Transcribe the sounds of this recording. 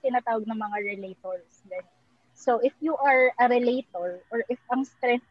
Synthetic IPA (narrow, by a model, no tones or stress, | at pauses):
t̪ɪnaːt̪aːwɐɡ̚nɐŋmɐŋaɹɛlejt̪oɹsɡɐnon | soʔɪfjuʔɐɹʔɐɾɛlejt̪oɹʔɔɹʔɪfɐŋst̪ɾɛn